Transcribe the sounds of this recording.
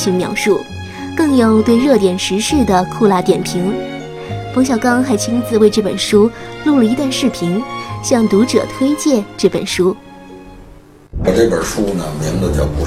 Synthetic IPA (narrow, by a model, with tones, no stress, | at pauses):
ɕi˧˥ŋmjɑ̰˧˥ʊʂu˥˩ | kɤ˥˧ŋjo˨˩ʊt̪we˥˧ɪɻɤ˥˩t̪jɛ˨˩nʂɻ̩˧˥ʂɻ̩˥˩d̪ə˩kʰu˥˧la˥˩t̪jɛ˨˩npʰi˧˥ŋ | pʰɤ˧˥ŋɕjɑ˨˩ʊkɑ˥ŋxa˧˥ɪt͡ɕʰi˥nt͡sɹ̩˧we˥˧ɪʈ͡ʂɤ˥˩pə̰˨˩nʂu˥lu˥˩lə˩i˧˥t̪a˥˧nʂɻ̩˥˩pʰi˧˥ŋɕjɑ˥˩ŋt̪u˧˥ʈ͡ʂɤ̰˨˩t̪ʰwe˥ɪt͡ɕjɛ˥˧ʈ͡ʂɤ˥˩pə̰˨˩nʂu˥ | pa˨˩ʈ͡ʂɤ˥˩pə̰˨˩ʂu˥˧nə˨mjɛ˧˥ŋd̪ə˥˧˩t͡ɕjɑ̰˥˩ʊpu˧˥